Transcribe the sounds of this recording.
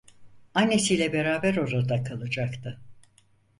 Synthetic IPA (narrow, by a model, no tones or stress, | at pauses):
anːesiːjlʲɛbe̞ɾaːbæɾo̞ɾad̪akʰalˠɯd͡ʒakt̪ʰɯ